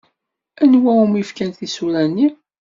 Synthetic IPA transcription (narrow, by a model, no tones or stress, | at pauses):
ænwæumifkænθisulænːi